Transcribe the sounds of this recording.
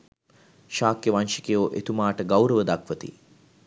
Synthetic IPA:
ʃaːkjəʋanʃikejoːʔḛt̪umaːʈəɡawɾəʋəd̪akʋət̪ḭ

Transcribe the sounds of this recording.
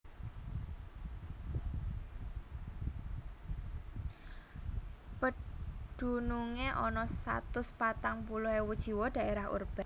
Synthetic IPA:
pəɖ̪̥ṳnuŋeʔɔnɔsa̰t̪ʊspat̪aŋpuluɦewud̥ʒ̥i̤wɔɖ̥a̤ʔeɾahṵrb̥a

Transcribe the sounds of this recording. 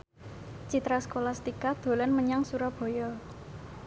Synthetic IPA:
t͡ʃit̪ɾasə̥kolast̪ikad̪̥o̤lanməɲaŋsuɾab̥ɔ̤jɔ

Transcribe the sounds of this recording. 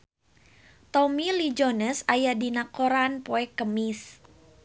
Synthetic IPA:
t̪ɔmilid͡ʒonəsajadinakoɾanpoɛkːəmis

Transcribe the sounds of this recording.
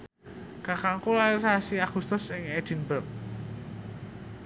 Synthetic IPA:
kakaŋkulairsasiaɡ̥ust̪ʊsɪŋed̪̥i̤nbərk̚

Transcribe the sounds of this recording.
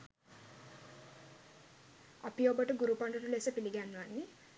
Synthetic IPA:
ɐpijoːbɐʈuɡuɾupɐɳɖɐʈuleːsɐpiliɡaːnuani

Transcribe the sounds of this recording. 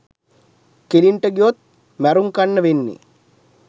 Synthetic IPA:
keliɳʈəɡiot̪̚ | mæɾuŋkanːəʋenːḛ

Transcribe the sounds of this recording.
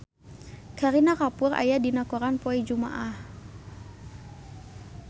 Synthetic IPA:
kaɾinakapʊra̰jadinakɔɾanpɔɛd͡ʒuma̰ʔah

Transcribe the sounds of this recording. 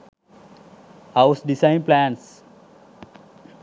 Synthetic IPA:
hawsdisajnplæns

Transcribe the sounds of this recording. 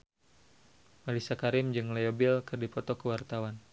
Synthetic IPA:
malisakaɾɪmd͡ʒɨŋlajobɪlkɨrdipɔt̪ɔkəwart̪awan

